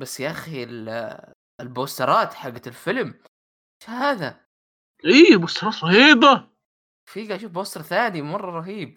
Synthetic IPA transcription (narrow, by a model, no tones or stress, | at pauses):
basːjaʔaxil | ɪlboːst̪ɑɾˤɑːt̪ħaɡːalfɪlm | eʃhaːða | ʔiːboːst̪ɑɾˤɑːt̪ˤːɑhiːba | fiːɡaʔaʃuːfboːst̪ɾˤθaːnimɑrˤːɑɾˤɑɦiːb̚